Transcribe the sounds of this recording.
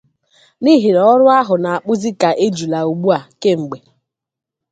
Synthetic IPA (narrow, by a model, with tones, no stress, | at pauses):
ni˦ɦi˨ɾɔ˦ɾʊ˦a˦ɦʊ˨na˨a˨k͡pʊ˦zi˦ka˨ʔe˦d͡ʒu˨la˨u˨ɡ͡bu˦a˨ke˦ŋ͡m̩˨ɡ͡be˨